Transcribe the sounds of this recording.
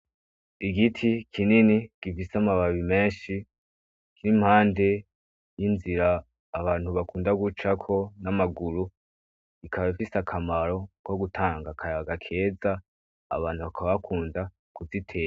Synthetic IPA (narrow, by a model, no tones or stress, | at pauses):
iɡitʰikʰininiɡ̥ifisamaβaβime̞ːnʃi | kiɾim̥haːnde̞ | jinziɾaː | βaːnhuβakuːndaɡut͡ʃakʰo̞namaɡuɾu | ikʰaβifisakʰamaɾo̞ko̞ɡutʰaːŋɡakʰajaɡakʰe̞ːza̰ː | βaːn̥huβakʰaβaβakʰuːnda | kuzitʰeː